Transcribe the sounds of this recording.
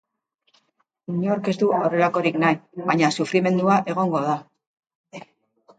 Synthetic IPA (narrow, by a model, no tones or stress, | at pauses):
iɲeoɾke̞zd̪uawre̞lako̞ɾiknajβaɲasufɾime̞nd̪uaʔe̞ɣ̞o̞ŋɡo̞ð̞a